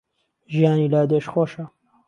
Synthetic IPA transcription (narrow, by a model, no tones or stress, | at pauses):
ʒijaːniːlaːd̪eʃxoʃa